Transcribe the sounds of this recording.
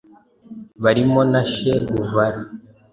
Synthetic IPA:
βaɾimo̞naʃeuvaɾa

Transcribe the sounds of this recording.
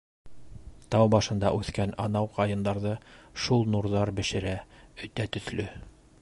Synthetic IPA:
t̪ɑwbɑʃɤ̆nd̪ɑ̰ʔʉθkænɒnɑwqɑjɤ̆nd̪ɑɾðɤʃulˠnuɾðɑɾbɘ̆ʃɘ̆ɾæɵ̆t̪æt̪ɵ̆θlɵ

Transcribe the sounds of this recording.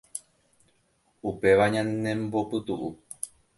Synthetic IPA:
upe̞ʋaɲãnẽmbo̞pɨt̪uʔu

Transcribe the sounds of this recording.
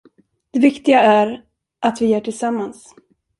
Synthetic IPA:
d̪̥ɛvɪkt̪ɪɡaæɾ | ʔat̪vɪjœːʈʰɪlsamːans

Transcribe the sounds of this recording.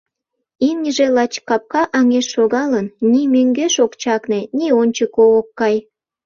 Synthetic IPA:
imnʲəʒelɑt͡ɕkɑp̚kɑʔɑŋeʃːoɣɑlənnimøŋɡeʃokt͡ɕɑknĕnʲionʲt͡ɕəkookːɑj

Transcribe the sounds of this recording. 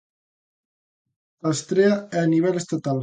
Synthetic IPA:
ast̪ɾeaɛaniβ̞ɛləst̪at̪al

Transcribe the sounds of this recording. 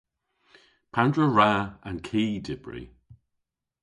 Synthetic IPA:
pʰandɹəɹaankʰiːdɪb̥ɹḭ

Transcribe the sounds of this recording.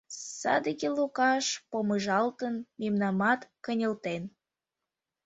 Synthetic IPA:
sɑ̰d̪əɣelukɑʃpoməʒɑlt̪ənmemnɑmɑt̪kə̆nʲə̆lt̪en

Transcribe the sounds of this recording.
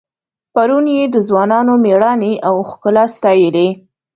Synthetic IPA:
paɾunjed̪əzwɑnɑnomeɽɑneʔawxkəlɑst̪ɑjəle

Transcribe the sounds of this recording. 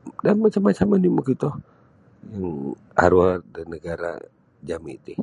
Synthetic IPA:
damːat͡ʃamːat͡ʃamaniməkit̪ɔ | jaŋ | a̰ɾuadanːəɡaɾa̰ | d͡ʒamit̪i

